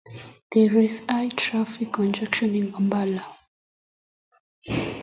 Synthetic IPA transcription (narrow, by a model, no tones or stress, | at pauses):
ð̥ɛɹisajtʰɹafikʰːɔ̃nd͡ʒɛkʃɔ̃nĩnɡambala